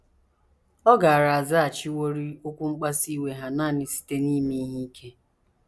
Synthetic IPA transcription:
ɔ˦ɡa˨a˨ɾa˨a˨za˦a˨t͡ʃi˦wo˦ɾi˦o˦kʷu˦ŋ͡m̩˦k͡pa˦si˦we˨ɦa˨na˦˨nɪ˨si̥˦te˦ni˦mi˦ɦi˦i˦kʰe˦

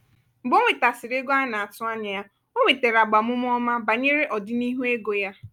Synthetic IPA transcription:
ɡ͡bo˦ŋʷe˨ta˨sɪ˨ɾe˦ɡo˦a˦na˨a˨tʊ˦a˦ɲa˨ja˦ | o˦ŋʷe˨te˨ɾa˨ɡ͡ba˨mʊ˦m˦ɔ˦ma˦ba˨ɲe˦ɾe˦ʔɔ˨dɪ˦ni˦ɦu˦e˦ɡo˨ja˦

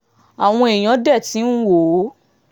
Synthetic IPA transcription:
a˨w̃ɔ̃˧e˨j̃ã˨˦dɛ˦˨ti˨˦n̩˦wo˨˦

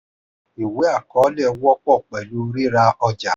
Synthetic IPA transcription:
i˨we˨˦a˦˨kɔ˨˦lɛ˦˨˦wɔ˦k͡pɔ˦˨k͡pɛ˨lu˦ɾi˦ɾa˧ɔ˧d͡ʒa˨˦

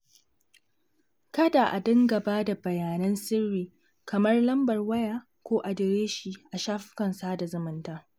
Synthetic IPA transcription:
kɐ˦da˨ʔa˨dɪ˦ŋɡa˨baː˦da˨bɐ˨jaː˨nɐ˦nsɪ˦rːiː˨ | kɐ˨mɐ˦rlɐ˦mbɐ˨rwɐ˦jaː˨ | kʷoː˦ʔa˨dɪ˨ɾeː˦ʃi˨ʔa˨ʃaː˦ɸɪ̥˦kɐ˨nsaː˦da˨zʊ˨mɪ˦ntaː˦

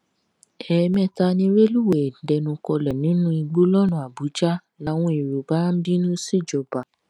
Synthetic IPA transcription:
ɛ˨˧mɛ̃˦ta˧nĩ˧ɾe˦lu˦˨we˨dɛ˧˨nũ˧kɔ˧lɛ˨nĩ˨˦nũ˦i˧ɡ͡bo˦lɔ˦nũ˨a˨bu˨˦d͡ʒa˦ | la˨˦w̃ɔ̃˦i˨ɾu˨ba˨˦m̩˦bi˦nũ˦si˦˨d͡ʒɔ˨ba˨

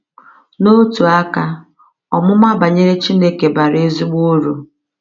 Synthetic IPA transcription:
no˦tu˨a˦ka˦ | ɔ˨mʊ˦ma˦ba˨ɲe˦ɾe˦t͡ʃi˦ne˦ke˨ba˨ɾe˦zi˦ɡ͡bo˦ɾu˨

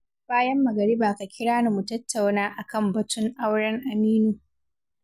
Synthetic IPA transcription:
b̥aː˦jɐ˦mːɐ˨ɡɐ˨ɽi˦baː˨ka˨kʲʰɪ˦ɽaː˦na˨mu˨tɐ˦tːa˨wnaː˦ʔa˨kɐ˦mbɐ˨tʊ˦ŋʔa˦wɽɐ˦ŋʔa˨niː˦nuː˨

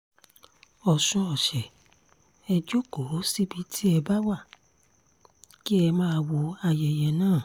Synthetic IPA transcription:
ɔ˨sũ˧ɔ˨ʃɛ˨ | ɛ˧d͡ʒo˦ko˨˦si˦bi˧˦tʰi˦ɛ˧ba˦wa˦˨ | ki˦ɛ˧mãː˦˧wo˧a˧jɛ˨jɛ˧nãː˦˨

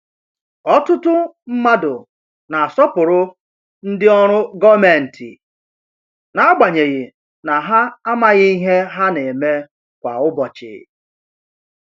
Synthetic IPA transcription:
ɔ˦tʊ˦tʊ˦ | m̩˦ma˦dʊ˨ | na˨a˨sɔ˦pʊ˨ɾʊ˦ | n̩˦dɪ˦ɔ˦ɾ̃ʊ˦ɡɔ˦me˨n̩˨tʰḭ˨ | na˨a˦ɡ͡ba˨ɲe˨ɣɪ˨ | na˨ɦa˦a˦ma˦ɣɪ˦i˦ɦe˦ɦa˦ne˨e˨me˦ | kʷa̰˨ʊ˦bɔ˨t͡ʃɪ̰˨

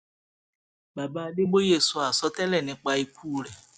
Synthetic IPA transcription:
ba˨ba˨ɖe˦bo˦je˨su˨˦a˨sɔ˦t̪ɛ˦lɛ˦˨nɛ̃˨k͡pa˨i˨kuː˦˨lɛ˨

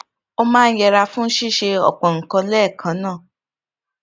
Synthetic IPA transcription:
o˦˧mãː˦n̩˦jɛ˧ɾa˧fũ˦n̩˦ʃi˦˨ʃe˧ɔ̰˨k͡pɔ̃˨ŋ̩˨kɔ̃˧lɛː˦˨kʰã˨˦nãː˦˨

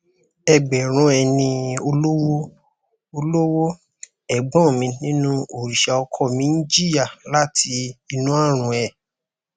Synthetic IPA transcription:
ɛ˨ɡ͡bɛ˨ɾ̃ũ˨˦ɛ˧nĩ˧o˧lo˦wo˦ | o˧lo˦wo˦ | ɛ˨ɡ͡bɔ̃˦˨mĩ˧nĩ˦nũ˦o˨ɾi˨ʃa˧ɔ˧kʰɔ˦˨mĩ˨˦n˦d͡ʒi˦a˦˨la˦tʰi˧i˧nũ˦a˦˨ɾ̃ũ˨˦ɛ˨

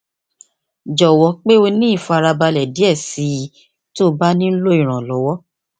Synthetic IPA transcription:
d͡ʒɔ˨wɔ˨˦k͡pe˦o˧nĩ˦i˦˨fa˧ɾa˧ba˧lɛ˨di˨˦ɛ˦˨si˨˧˦ | to˦ba˦nĩ˦lo˦i˨ɾ̃ã˨lɔ˨˦wɔ˦

